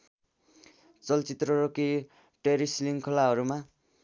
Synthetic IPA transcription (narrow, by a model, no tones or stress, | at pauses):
t͡sʌlt͡sit̪rʌɾoki | ʈeɾisliŋkʰʌlaɦʌɾuma